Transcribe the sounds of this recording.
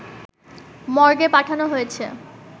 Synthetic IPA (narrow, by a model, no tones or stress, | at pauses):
mɔɾɡepaʈʰanoɦojet͡ɕʰe